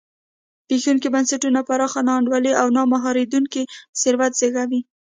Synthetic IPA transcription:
pexuŋk̬ibansaʈunapaɾɑxanɑɳɖwaleʔawnɑmaɦɑɾed̪uŋkisɪɾwat̪z̥eɣawi

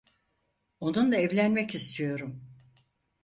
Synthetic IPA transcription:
o̞nund̪aɛvlʲænmɛcist̪ʰijo̞ɾum

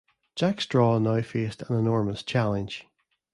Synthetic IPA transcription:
ʒ̥akstɹ̥ɔnaʊfestʰə̃nɪnɔɹməst͡ʃʰalˠɪ̃nʒ̥

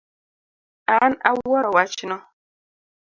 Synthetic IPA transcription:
ana̰wɔɾɔwat͡ʃnɔ

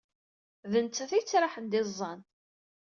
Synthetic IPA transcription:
ðənt͡s̪t͡sːæθit͡sːɾˤɑħənd̪ɪzˤːɑn

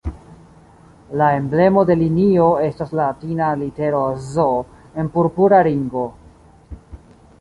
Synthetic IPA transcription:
lae̞mble̞mo̞de̞linio̞e̞staslatinalite̞ɾozo | e̞npuɾpuɾaliŋɡo̞

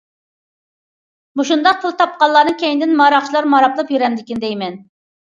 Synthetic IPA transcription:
muʃund̪ɑq̚pʰʊlˠt̪ʰɑp̚qɑllˠɑːnɨŋkʲʰɛjiŋɪd̪ɪnmɑːɾɑχt͡ʃʰilˠɑɾmɑɾɑplˠɨpjyɾɛmd̪ɪkʲind̪ɛjmɛn

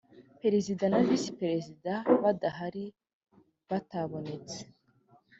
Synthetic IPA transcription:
pe̞ɾe̞zidanavisi̥peɾe̞zidaβadaɦaɾi | βataβo̞ne̞t͡se̥

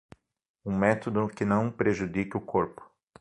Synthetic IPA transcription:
ũmɛt̪od̪ʊkɪnɐ̃w̃pɾeʒud̪ikɪʊkoɾpʊ̥

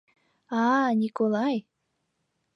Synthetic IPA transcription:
ɑnʲikolˠɑj

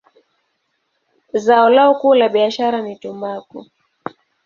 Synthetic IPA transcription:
zaɔlaɔkuːlaɓiaʃaɾanitumaku

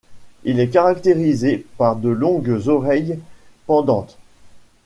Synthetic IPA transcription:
ilɛk̬aʁakt̪eʁizepaʁd̪əlɔ̃ɡzɔʁɛjpɑ̃d̪ɑ̃t̪

